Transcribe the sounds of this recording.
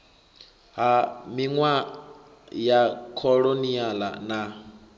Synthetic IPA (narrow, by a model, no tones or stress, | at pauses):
ɦamiŋwa | jakʰɔɺoniala̰na